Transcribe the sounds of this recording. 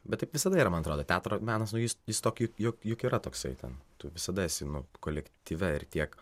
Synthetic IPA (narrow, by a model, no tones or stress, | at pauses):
bʲɛt̪t̪ːɐɪpʋʲɪsɐd̪ɐiːɾɐmɐnɐt̪ɾoːd̪oːt̪ʲæːt̪ɾoːmʲæːnɐsnʊjɪsjɪst̪oːkjʊkjʊkjʊkiːɾɐt̪oːksɐɪt̪ʲɛ̰nt̪ʊʋʲɪsɐd̪ɐɪsʲɪnʊkoːlʲɛkt̪ʲiːʋʲɛɪrt̪ʲiɛk